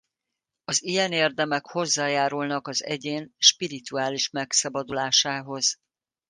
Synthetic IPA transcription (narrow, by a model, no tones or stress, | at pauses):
ɒzijɛneːrd̪ɛmɛkho̞zːaːjaːɾulnɒkɒzɛ̰ɟeːnʃpiɾit̪uaːliʃmɛksɒbɒd̪ulaːʃaːɦo̞z̥